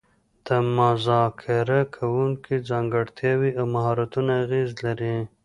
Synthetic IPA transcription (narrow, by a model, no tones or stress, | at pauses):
d̪̥əmʊzɑkʰɪɾakʰawuŋkid͡zɑŋɡaɽt̪ʰjɑwiawmaɦɑɾat̪unaːɣezlaɾi